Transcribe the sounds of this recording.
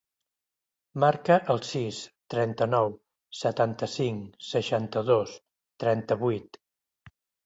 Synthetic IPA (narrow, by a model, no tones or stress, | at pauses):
maɾkəʔəlˠsist̪ɾɛnt̪ənɔw | sət̪ant̪əsiŋsəʃant̪əðos | t̪ɾɛnt̪əβujt̪